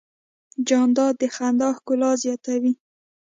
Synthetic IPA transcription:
d͡ʒɑnd̪ɑd̪əxand̪ɑhkʊlɑzjɑt̪awi

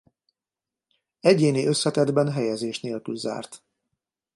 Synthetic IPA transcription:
ɛɟeːniʔø̞sːɛt̪ɛd̪bɛnɦɛjɛzeːʃneːlkylza̰ːrt̪

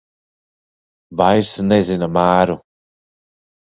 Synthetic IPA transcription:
bajɾsənezinamaːɾu

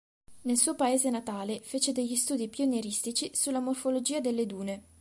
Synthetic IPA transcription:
nelsuːopaeːzenat̪aːlefeːt͡ʃed̪eʎːist̪uːd̪ipjuneɾist̪it͡ʃisulːamorfolod͡ʒiːad̪elːed̪uːne

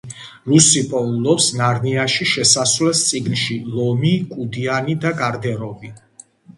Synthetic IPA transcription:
ɾusipʼɔulɔpsnaɾniaʃiʃɛsaswlɛst̪sʼiɡnʃilɔmikʼud̪ianid̪aɡaɾd̪ɛɾɔvi

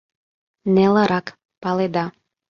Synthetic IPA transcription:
neləɾɑk | pɑled̪ɑ

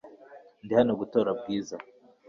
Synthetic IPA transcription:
ndihanoɡuto̞ːɾabɡiːza

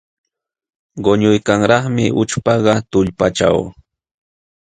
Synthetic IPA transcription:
ɢoɲʊjkaŋɾɑχmɪʔʊt͡ʃpɑɢɑt̪ʊʎpat͡ʃa̰w

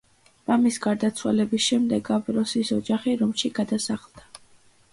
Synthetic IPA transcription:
ɾamisɡaɾd̪at̪sʰwa̰lɛbisʃɛmd̪ɛɡabɾɔsisɔd͡ʒaχiɾɔmʃiɡad̪asaχlˠd̪̥a

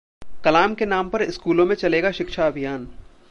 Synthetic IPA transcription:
kɐlaːmkenaːmpɐɾɪskuːlõmẽt͡ʃɐleːɡaʃɪkʃaɐbʱijaːn

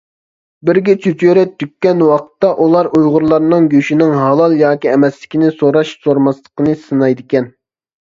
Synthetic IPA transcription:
bɪɾɡʲɛt͡ʃʰyt͡ʃʰøɾɛt̪ʰːykʲːɛnwɑqʰə̥t̪ːɑʔulˠɑɾʔujʁʊɾlˠɑɾnɨŋɡʲøʃinɪŋɦɑlˠɑlˠjɑːkʲiɛmɛslɪ̥kʲinɪsoɾɑʃsoɾmɑslˠə̥qənɨsɨnɑjd̪ɪkʲɛn

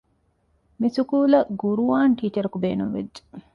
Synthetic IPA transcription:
misukuːlɐɡuɾuʋaːnʈiːt͡ʃɐɾɐkubeːnumʋḛd͡ʒːe̥

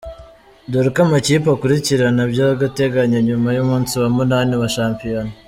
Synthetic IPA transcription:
doɾikamaciːpakuɾiciɾanabɟaɡate̞ɡaɲaɲumajumuːnsiβamunaːniβaʃaːmpijoni

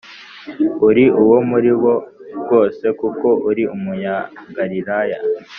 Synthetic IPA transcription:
uɾiʔuwo̞muɾiβo̞ɡo̞ːse̞kuko̞uɾiʔumuɲaɡaɾiɾaja

